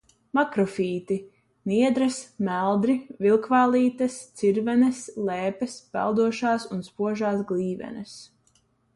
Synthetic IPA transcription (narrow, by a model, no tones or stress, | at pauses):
makɾɔfiːt̪i | niɛd̪ɾɐsmælˠd̪ɾivilˠkvaːlˠiːt̪ɐst̪siɾvɛnɐslɛːpɛspɛ̰lˠd̪uɔʃaːsunspuɔʒaːsɡlʲiːvɛ̰nɐs